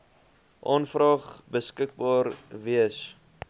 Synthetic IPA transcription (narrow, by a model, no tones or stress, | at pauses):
ʔɔnfrɑːχbəskək̚bɑːrviəs